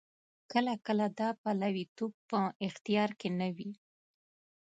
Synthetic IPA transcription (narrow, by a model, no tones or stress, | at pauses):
kəlakəlad̪ɑpalawit̪ob̚pəɪxt̪ijɑɾkenawi